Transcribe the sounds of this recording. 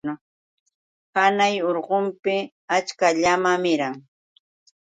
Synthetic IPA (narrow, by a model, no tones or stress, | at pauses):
ʊ | hanajoɾɢompɪ | at͡ʃkaʎamamɪɾaŋ